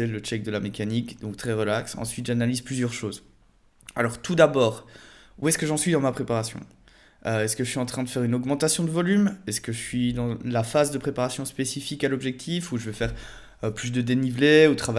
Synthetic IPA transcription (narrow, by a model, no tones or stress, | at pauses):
ɛlət͡ʃɛk̚d̪əlamekanikd̪ɔ̃k̚t̪χɛʁəlaksɑ̰̃sɥit̪ʒanalizplyzjœʁʃoːz | alɔʁt̪ud̪abɔːʁuɛskəʒɑ̃sɥid̪ɑ̃mapχepaʁasjɔ̰̃ | øɛskəʒəsɥiɑ̃t̪χɛ̃d̪əfɛʁynɔɡmɑ̃t̪asjɔ̃d̪əvɔlymɛskəʒəsɥid̪ɑ̃lafazd̪əpχepaʁasjɔ̃spesifikalɔbʒɛk̚t̪ʰifuʒəvɛfɛʁ | øplys̬d̪əd̪enivleut̪χav